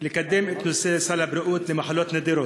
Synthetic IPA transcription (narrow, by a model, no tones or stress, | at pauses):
lɪkæd̪ːeːmʔɪt̪nusesælabɾʊʔuːt̪lɪmaħalːɑːt̪ned̪iːɾoː